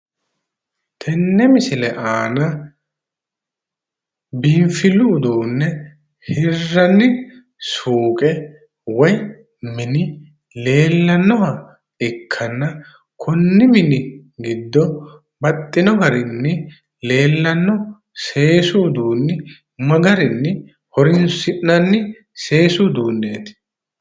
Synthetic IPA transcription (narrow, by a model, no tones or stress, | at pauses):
t̪ʰɛnːɛmɪsɪlɛʔaːnɐ | bɪɱfɪluːd̪uːnːɛ | hɪrːɐnːɪ | suːkʼɛ | wɔj | mɪnɪ | le̞ːlːɐnːɔɦɐ | ɪkʰːɐnːɐ | kʰʊnːɪmɪnɪɡɪd̪ːɔ | bɐt̪ʼːɪnɔɡɐɾɪnːɪ | le̞ːlːɐnːɔ | se̞ːsuːd̪uːnːɪ | mɐɡɐɾɪnːɪ | hɔɾɪnsɪʔnɐnːɪ | se̞ːsud̪uːnːeːt̪ɪ̥